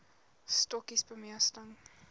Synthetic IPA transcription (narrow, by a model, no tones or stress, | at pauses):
stɔkisbəmiəstəŋ